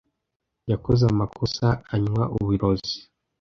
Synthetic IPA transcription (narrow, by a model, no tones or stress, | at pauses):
jakozamakʰosaːɲwaʔuβiɾozi̥